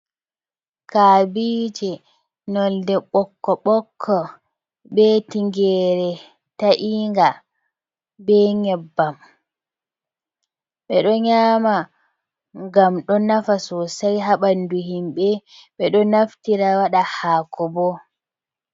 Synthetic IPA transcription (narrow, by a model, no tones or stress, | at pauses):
kaːbid͡ʒɛ | nɔldɛɓɔkːɔɓɔkʰːɔ | ɓɛtiŋɡɛːɾɛ | taʔiːŋɡa | bɛɲɛbːam | ɓɛɗɔɲaːma | ŋɡamɗɔnafasɔsajɦaɓanduhimɓɛɓɛɗɔnaftiɾawaɗahaːkʰɔbɔ